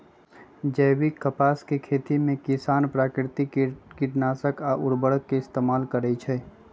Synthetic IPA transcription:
d͡ʒəjwikːəpaːskekʰeːt̪imẽkɪsaːnpɾaːkɾɪt̪ikiʈnaːsəkaʔʊɾbəɽəkːeɪst̪emaːlkəɾɛt͡ʃʰɛː

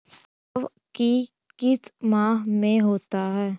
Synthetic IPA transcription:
ʋ | ki | kɪsmaːɦmẽɦoːt̪aɦɛː

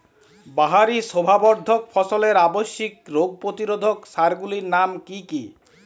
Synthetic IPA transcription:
baɦaɾisobʱabɔɾd̪ʱokfʰɔsoleɾaboʃːikɾoɡ̚pɾot̪iɾod̪ʱoksaɾɡuliɾnamkiki

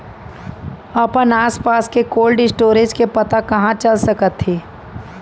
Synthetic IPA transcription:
ɐpənaːspaːskekoːlɖɪsʈoːɾed͡ʒkepɐt̪akɐɦãt͡ʃɐlsəkət̪ʰɦiː

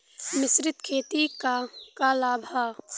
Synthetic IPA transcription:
mɪsɾɪt̪kʰeːt̪ikakalaːbʱaː

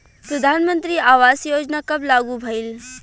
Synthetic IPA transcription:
pɾəd̪ʱaːnmə̃nt̪ɾiaːʋaːsjoːd͡ʒnakɐblaːɡubʱɐɪl

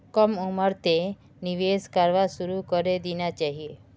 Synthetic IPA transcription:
kɔmuməɾt̪e | niʋeskaɾʋasuɾukɔɾed̪inat͡ʃaɦie

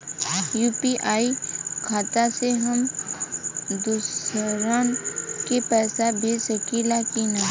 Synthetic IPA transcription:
juːpiʔaːikʰaːt̪aseɦəm | d̪usɾaːnkepɛːsabʱisəkilaːkinaː

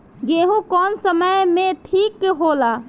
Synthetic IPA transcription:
ɡeːɦũkɔːnsəməjmẽʈʰiːkɦola

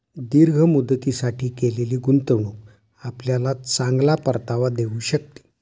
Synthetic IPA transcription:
d̪iɾɡʱəmud̪t̪isaʈʰiːkeleliːɡunt̪əʋɳuk | apljalat͡saŋɡlapəɾt̪aʋad̪euːɕək̚t̪i̥ː

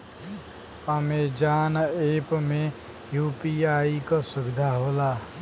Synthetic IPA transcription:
əmed͡ʒaːneːpmẽ | juːpiaːikɔsʊbɪd̪ʱaɦoːlaː

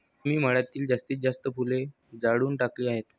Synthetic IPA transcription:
miːm̤əɭjat̪iːld͡zast̪iːt͡sd͡zast̪əpʰule | d͡zaɽuːnʈakliːaɦet̪

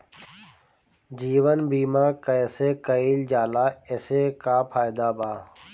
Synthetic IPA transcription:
d͡ʒiːʋənbiːmãːkəeseːkəiːld͡ʒaːlaːeseːkaːpʰaːjd̪aːbaː

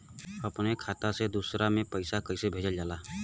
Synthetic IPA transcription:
əpnekʰaːt̪ased̪uːsɾamẽpəɪsakəɪsebʱeːd͡ʒəld͡ʒaːlaː

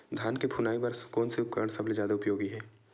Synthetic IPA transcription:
d̪ʱjaːnkebʱunaːipɐɾkɔːnseʊp̚kəɾəɽ̃sɐbled͡ʒjaːd̪aʊpjoːɡiɦɛː

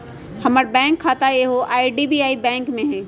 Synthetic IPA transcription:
hɐməɾbɛ̃ːŋkʰːaːt̪aeɦoʔaːiɖiːbiaːibɛ̃ːŋkmẽɦɛ̃ː

